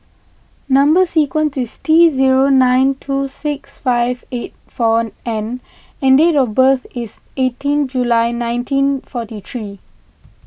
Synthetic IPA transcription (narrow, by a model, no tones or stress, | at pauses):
nãmbəsikwə̃nsistʰiziɹonãj̃ntʰusɪksfaɪvet̚fɔɛ̃n | ɛ̃ndetɔfbəθisetĩnd͡ʒulaɪnãɪ̃ntʰĩnfɔtit̪ʰɹi